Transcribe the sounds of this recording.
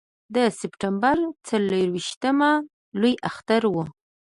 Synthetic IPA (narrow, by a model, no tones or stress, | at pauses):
d̪əsɪpʈambaɾt͡saləɾwiʃt̪əma | lujʔaxt̪aɾwu